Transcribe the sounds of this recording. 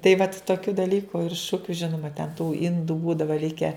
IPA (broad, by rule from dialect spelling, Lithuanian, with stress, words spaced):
tɐɪ ʋɐt toːˈkʲuː dɐˈlʲiːkʊ ɪr ˈʃʊkʲʊ ˈʒʲɪnʊmɐ tʲɛn tuː ˈɪnduː ˈbuːdɐʋɐ ˈlʲɪkʲɛ